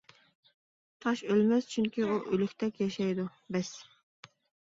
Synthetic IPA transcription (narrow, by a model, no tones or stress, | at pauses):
t̪ʰɑʃølmɛst͡ʃʰyŋkʲiuʔølykʲt̪ʰɛkʲjɑʃɛjd̪ubɛs